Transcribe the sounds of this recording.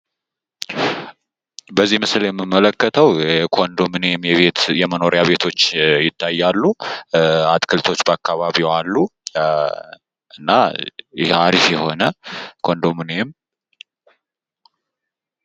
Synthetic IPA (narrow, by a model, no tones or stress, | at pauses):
bəzːihmɨsljɛmːɨmːələkːət̪ʰəwkʰond̪omɨnemjɛβet̪jɛməno̞ɾjaβe̞t̪ʰo̞t͡ʃːjɪt̪ʰːajːalːu | at̪kʰɨlt̪ʰo̞t͡ʃːbəakʰːaβaβiwalːu | ɨnːaɪhaɾifjɛho̞nəkʰo̞nd̪omɨnem